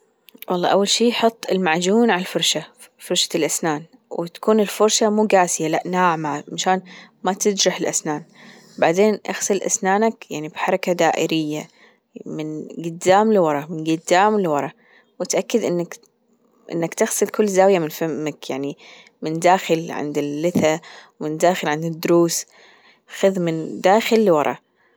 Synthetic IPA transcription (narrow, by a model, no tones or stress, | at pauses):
wʔɑ̰lˤːɑ̰ːʔa̰wːalʃiːħʊt̪ˤːɪlmaʕd͡ʒuːnʕalfʊɾˤʃa | fʊɾˤʃḁlʔasnaːn | wɪt̪ḁkuːnɪlfʊɾʃamuːɡaːsɪjalaʔnaːʕmamaʃaːn | mat̪ɪd̪ɾɪħɪlʔasnaːn | baʕd̪eːnʔa̰xsɨlʔa̰snaːnakja̰ʕnibħɑɾˤɑkad̪aːʔɪ̰ɾɪjːa | mɪnɡʊd̪ːaːmlwɑɾˤɑmɪnɡʊd̪ːaːmlɪwɑɾˤɑ | wɪt̪ʔakːɪd̪ʔɪnːak | ʔɪ̰nːakt̪ɪɣsɨlkʊlːzaːwjamɪnfamːakjaʕni | mɪnd̪aːxɪlʕɪ̰nd̪ɪlːɪθawmɪnd̪aːxɪlʕɪnd̪ɪd̪ːʊɾuːs | xʊðmɪnd̪aːxɪlːwɑɾˤɑ̰